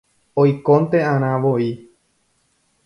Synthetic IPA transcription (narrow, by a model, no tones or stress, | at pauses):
ojkõnt̪e̞ãɾ̃ãʋoi